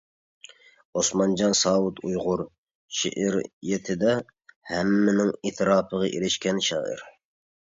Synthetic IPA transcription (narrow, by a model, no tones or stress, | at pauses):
osmɑnd͡ʒɑnsɑːwut̪ʰujʁʊɾ | ʃḛʔɪɾjet̪ʰɪd̪ɛ | hɛmːɪnɪŋit̪ʰɾɑːpʰəʁɑʔelɪʃkʲɛnʃɑ̰ːɪ̰ɾ